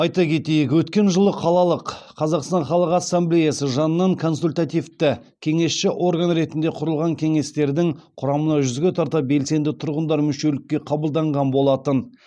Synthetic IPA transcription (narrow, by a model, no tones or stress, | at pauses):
ɑjt̪ɑkʲʰe̞t̪e̞jɪkwɵt̪kʲe̞nʒəlˠəqʰɑlˠɑlˠəqːʰ | ɑzɑqst̪ɑnχɑlˠəqɑsːamblejasəʒɑnəːɑŋkʰo̞nsulʲt̪at̪ijft̪ɪ | kʲʰe̞ŋe̞sʃɪʔo̞ɾɡanɾe̞t̪ɪnd̪e̞qʰʊɾəlˠʁɑŋkʲʰe̞ŋe̞st̪e̞ɾd̪ɪŋqʰʊɾɑmənɑʒʏzɡʲe̞t̪ʰɑɾt̪ɑp̚be̞lse̞nd̪ɪt̪ʰʊɾʁənd̪ɑɾmʏʃe̞lɪkʲːe̞qʰɑbəlˠd̪ɑɴʁɑnbo̞lˠɑt̪ən